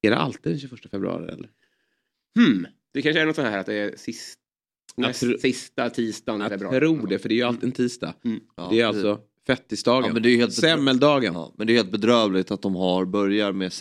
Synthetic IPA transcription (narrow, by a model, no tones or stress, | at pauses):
ɛɖɛ̰ʔa̰lt̪iːd̪ɛnɕʉːfœʂʈafɛbɾʉ̰ɑ̰ːɾɪ̰ɛ̰lːəɾ | h̩ | d̪̥ɛkʰanʂəænɔt̪sɔnhæːɾat̪̚d̪ɛæɾsɪs | sɪst̪at̪ʰiːst̪anfɛbɾɾuːɖɛfəɖɛæjəalt̪ɪɛnt̪ʰiːst̪a̰ɛæɾalsɔ | fɛt̪ːɪsd̪ɑːɡəmɛnd̪ɛæɾjʏheːlt̪sɛmːɛld̪ɑːɡənmɛnd̪ɛjheːlt̪̚bɛd̪ɾœːvlɪɡ̚t̪at̪̚d̪ɔmɦaɾbœɾjaɾmes